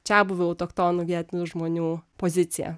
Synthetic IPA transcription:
t͡ʃʲæːbʊʋʲɛɔʊt̪okt̪oːnuːʋʲiɛt̪ʲnʲuʒmoːnʲuːpoːzʲɪt̪sʲɪjɛ̰

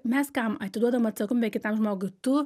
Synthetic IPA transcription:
mʲɛskɐmɐt̪ʲɪd̪uɔd̪ɐʋomɐt̪sɐkʊmbʲɛkʲɪt̪ɐmʒmoːɡʊɪt̪ʊ

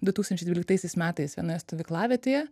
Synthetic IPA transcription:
d̪ʊt̪uːkst̪ɐnʲt͡ʃʲɛɪdʋʲiːlʲɪk̚t̪ɐɪsʲɛɪsmʲæːt̪ɐɪsʋʲiɛnojɛst̪oʋʲɪklˠɑːʋʲɛːt̪ʲeːjɛ

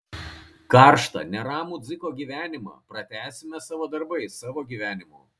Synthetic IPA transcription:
kɑːɾʃt̪ɐ̰nʲɛɾɑːmuːd̪zʲɪkoːɡʲiːʋʲæːnʲɪmɑ̰ːpɾɐt̪ʲæːsʲɪmʲɛsɑːʋoːd̪ɐɾbɐɪsɑːʋoːɡʲiːʋʲæːnʲɪmo̰ː

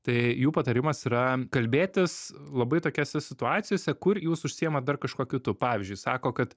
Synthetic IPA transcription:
t̪ɐɪjuːpɐt̪ɐɾʲɪmɐsiɾɐkɐlʲbʲeːt̪ʲɪslˠɐbɐɪt̪oːkʲoːsʲɛsʲɪt̪ʊɑːt̪sʲɪjoːsʲɛkʊrjuːsʊʃʲsʲɪjɛmɐd̪ɐrkɐʃkoːkʲʊt̪ʊpɑːʋʲɪzʲd͡ʒʲʊɪsɑːkoːkɐt̪

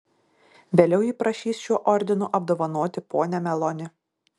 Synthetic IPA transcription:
ʋʲeːlʲɛʊiːpɾɐʃʲiːsʃʲuɔʔɔɾʲd̪ʲɪnuʔɐb̚d̪oːʋɐnoːt̪ʲɪpoːnʲɛmʲɛlˠɔnʲɪ

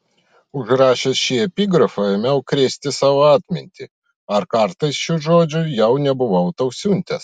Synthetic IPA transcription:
ʊʒɾɑːʃʲesʃʲiɛpʲiːɡɾɐfɐɛmʲɛʊkɾʲesʲt̪ʲɪsɑːʋoːɑːt̪ʲmʲɪ̰nʲt̪ʲi | ɐɾkɐɾt̪ɐɪsʃuʒoːd͡ʒʲʊjɛʊnʲɛbʊʋɐʊt̪ɐʊsʲunʲt̪ʲɛs

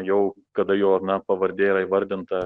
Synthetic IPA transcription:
jɛʊ | kɐd̪ɐjoːɐnɐpɐʋɐɾʲd̪ʲeːɪɾɐɪʋɐɾʲd̪ʲɪnt̪ɐ

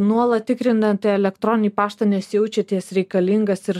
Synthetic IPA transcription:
nuɔlˠɐt̪ʲɪkɾʲɪnd̪ɐnt̪ɐɛlʲɛkt̪ɾɔnʲnʲiːpɑːʃt̪ɐnʲɛsjɛʊt͡ʃʲɛt̪ʲiɛsɾʲɛɪkɐlʲiŋɡɐsɪɾ

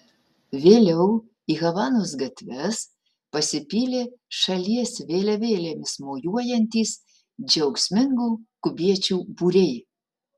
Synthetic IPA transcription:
ʋʲeːlʲɛʊ | iɣɐʋɑnoːs̬ɡɐt̪ʲʋʲɛs | pɐsʲɪpʲiːlʲeʃɐlʲiɛsʋʲeːlʲɛʋʲeːlʲemʲɪsmoːjuɔjɛnʲt̪ʲiːs | d͡ʒɛwksʲmʲɪŋɡuːkʊbʲiɛt͡ʃʲuːbuɾʲej

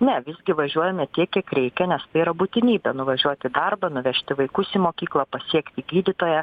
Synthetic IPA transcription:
nʲɛʋʲɪzʲɡʲɪʋɐʒʲuɔjɛmʲɛt̪ʲiɛkʲiɛkɾʲɛɪkʲɛnʲɛst̪ɐɪiːɾɐbuːt̪ʲɪnʲiːbʲɛnʊʋɐʒʲuɔt̪ʲɪd̪ɐrbɐnʊʋʲɛʃʲt̪ʲɪʋɐɪkʊsimoːkʲiːklˠɐpɐsʲiɛkt̪ʲɪɡʲiːd̪ʲɪt̪oːjɛ

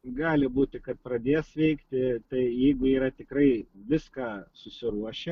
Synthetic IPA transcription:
ɡɑːlʲɪbuːt̪ʲɪkɐt̪̚pɾɐd̪ʲeːsʋʲɛɪkt̪ʲɪt̪ɐɪjɛɪɡʊiːɾɐt̪ʲɪkɾɐɪʋʲɪskɑːsʊsʲɪɾuɔʃʲɛ

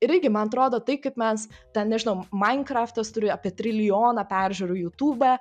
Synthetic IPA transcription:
ɪɾɪrɡʲɪmɐnɐt̪ɾoːd̪oːt̪ɐɪpkɐɪpmʲɛst̪ʲɛnnʲɛʒʲɪnɐʊmɐɪnkɾɑːft̪ɐst̪ʊɾʲɪɑːpʲiɛt̪ʲɾʲɪlʲɪjoːnɑpʲæːɾʲʒʲʉːɾʊːjuːt̪uːbɑ

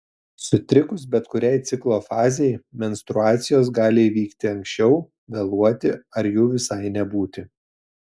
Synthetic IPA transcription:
sʊt̪ʲɾʲɪkʊsbʲɛt̪kʊɾʲɛɪt̪sʲɪklˠoːfɑːzʲɛɪmʲɛnʲst̪ɾʊɑːt̪sʲɪjoːs̬ɡɑːlʲɪiːʋʲiːkt̪ʲɪɐŋksʲt͡ʃʲɛʊ | ɡɐlˠuɔt̪ʲɪɐɾjuːʋʲɪsɐɪnʲɛbuːt̪ʲɪ

